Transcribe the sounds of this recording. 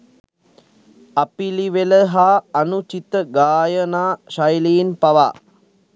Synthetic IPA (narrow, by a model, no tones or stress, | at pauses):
ɐpiliʋeləɦaːnut͡ʃit̪əɡaːjənaːʃajliinpaʋa̰